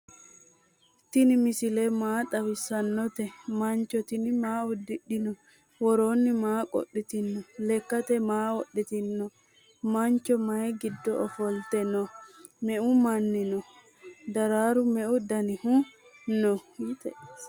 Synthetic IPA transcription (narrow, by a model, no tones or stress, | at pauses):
t̪ɪnɪmɪsɪlemaːt̪ɐwɪsɐnːɔt̪ɛmɐnt͡ʃːɔt̪ɪnɪmaːʊd̪ːɪɗɪnɔ | wɔɾoːnːɪmaːkʼɔ̰ɗːɪt̪ɪnːɔlɛkːɐt̪ɛmaːɔɗːɛt̪ɪnːɔ | mɐnt͡ʃːɔmɐjɡɪd̪ːɔɔfɔlt̪ɛnɔmɛʔʊmɐnːɪnɔ | d̪ɐɾaːɾʊmɛʔʊd̪ɐnɪhʊ | nɔ